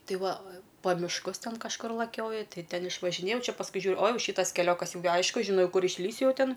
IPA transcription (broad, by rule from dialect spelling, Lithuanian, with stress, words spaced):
ˈtɐɪ ˈʋɐ pɐ mʲɪʃˈkʊs ˈtʲɛn kɐʃˈkʊr lˠɐˈkʲoːjʊ ˈtɐɪ ˈtʲɛn ɪʃʋɐʒʲɪˈnʲeːjɛʊ ˈt͡ʃʲɛ pɐsˈkʊɪ ˈʒʲuːr oː ˈjɛʊ ˈʃʲiːtɐs kʲɛˈlʲoːkɐs ˈjɛʊ ɡʲɪ ˈɐɪʃkʊ ʒʲɪˈnɐʊ ˈkʊr ɪʃʲˈlʲiːsʲʊ ˈjɛʊ ˈtʲɪn